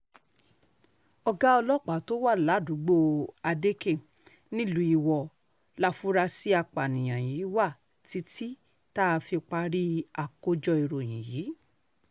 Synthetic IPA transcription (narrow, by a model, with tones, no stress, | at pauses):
ɔ˧ɡa˦ɔ˧lɔ˦k͡pa˨to˦wa˦˨la˨˦du˨˦ɡ͡bo˦˧a˧de˦ke˦˨ | nĩ˦lũ˧˦i˧˨wɔ˨ | la˦˧fu˦ɾa˧si˦a˧k͡pa˨nĩ˨j̃ã˨jiː˨˦wa˦˨ | ti˨˦ti˦ | ta˦a˧fi˧k͡pa˧ɾi˦a˨ko˧d͡ʒɔ˧i˨ɾo˨j̃ĩ˨jiː˨˦